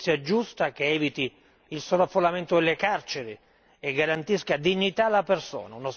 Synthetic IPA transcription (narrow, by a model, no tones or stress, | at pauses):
sjad͡ʒust̪ak̟eɛːvit̪i | ilsoːlafːolament̪od̪elːekart͡ʃeɾi | eɡːaɾant̪iskad̪iɲːit̪alaperso̰ːnaunos